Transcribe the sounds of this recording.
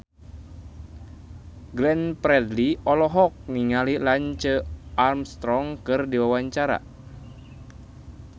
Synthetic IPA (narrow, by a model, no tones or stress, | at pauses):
ɡlɛnpɾɛdliɔlɔɦɔk̚niŋalilaɲt͡ʃəarmst̪ɾɔŋkɨrdiwawaɲt͡ʃaɾa̰